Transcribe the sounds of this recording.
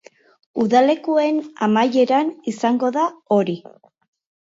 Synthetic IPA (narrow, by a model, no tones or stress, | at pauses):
uðale̞kue̞namaje̞ɾanisaŋɡo̞ðao̞ɾi